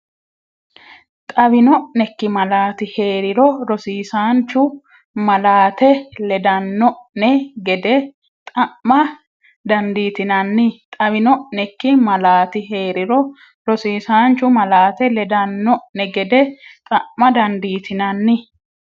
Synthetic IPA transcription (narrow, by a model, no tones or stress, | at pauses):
t̪ʼɐbɪnɔʔnɛkːɪmɐlaːt̪ɪhe̞ːɾɪɾɔɾɔsiːsaːnt͡ʃːʊ | mɐlaːt̪ɛlɛd̪ɐnːɔʔnɛɡɛd̪ɛ | t̪ʼɐʔmɐ | d̪ɐnd̪iːt̪ɪnɐnːɪt̪ʼɐbɪnɔʔnɛkːɪmɐlaːt̪ɪɦe̞ːɾɪɾɔ | ɾɔsiːsaːnt͡ʃːʊmɐlaːt̪ɛlɛd̪ɐnːɔʔnɛɡɛd̪ɛt̪ʼɐʔmɐd̪ɐnd̪iːt̪ʰɪnɐnːɪ